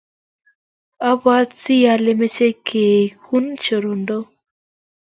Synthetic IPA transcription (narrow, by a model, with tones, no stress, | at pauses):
a˦bwa˦t͡si˦ja˧˦le˦me˦t͡ʃe˦kʰeː˨kʰu˦nt͡ʃo˨ɾo˨ndo˦